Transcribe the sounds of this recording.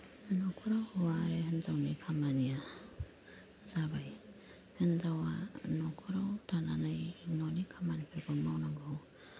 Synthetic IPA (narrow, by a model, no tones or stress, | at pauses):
nɔkʰuɾawhɔwaɾeɦenzawnɯjkʰamanija | zabaj | hɯnzawa̰nɔkʰuɾawtʰananajnɔnikʰamanipʰiɾbʰɯmawnaŋɡɯw